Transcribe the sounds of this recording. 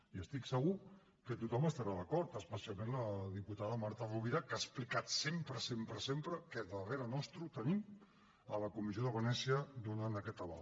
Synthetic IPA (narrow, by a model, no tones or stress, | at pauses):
iəst̪iksəɣ̞u | kət̪ut̪ɔməst̪əɾaðəkɔɾt̪əspəsialˠmẽnləðiput̪aðəmaɾt̪əruβiɾakasplikat̪sempɾəsempɾəsempɾəkəðəreɾənɔst̪ɾut̪ənim | ələkumizioðəβənɛsiəd̪unant̪əkɛt̪əβa̰l